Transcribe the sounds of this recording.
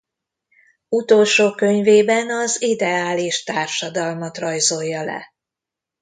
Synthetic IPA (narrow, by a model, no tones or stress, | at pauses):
ut̪olʃoːkø̞ɲveːbɛnɒzid̪ɛaːliʃt̪aːrʃɒd̪ɒlmɒt̪rɒjzo̞jːɒlɛ̰